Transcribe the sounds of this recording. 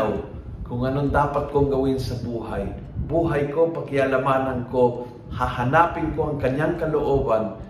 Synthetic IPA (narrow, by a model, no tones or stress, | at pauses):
w | kʊŋʔɐnond̪aːpat̪̚koŋɡɐwɪnsɐbuːhaj | buːɦajkopɐkɪalɐmaːnɐnko | hahɐnaːpɪŋkoʔɐŋkɐɲjaŋkɐloʔoːban